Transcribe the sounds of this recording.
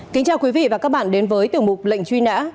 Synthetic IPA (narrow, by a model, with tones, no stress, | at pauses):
kï˨˦ŋ̟t͡ɕaː˧˩wkwi˨˦vḭ˧˨vaː˨˩kaː˦˥k̚ɓa̰ː˧˨nɗe˨˦nvəː˨˦jt̪ɨ˨˩əŋmʊ˨˩k͡p̚lə̰˧˨jŋ̟t͡ɕwi˧na̰ː˧˥